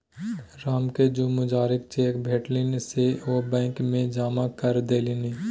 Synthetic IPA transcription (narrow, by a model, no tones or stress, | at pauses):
ɾaːmked͡ʒumʊd͡ʒaːɾɪk̚t͡ʃeːkbʱeːʈlɪnseobɛ̃ːkmẽd͡ʒaːmakəɾd̪eːliniː